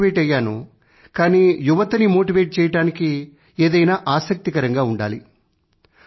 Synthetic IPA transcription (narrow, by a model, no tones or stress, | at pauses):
ʋeːʈɐjaːnu | kaːniːjuʋɐt̪ɐnimo̞ːʈiʋeːʈ̚t͡ʃɛːjɐʈaːniki | eːd̪ɐjnaːʔaːsɐk̚t̪ikɐɾɐŋɡaːuɳɖa̰ːli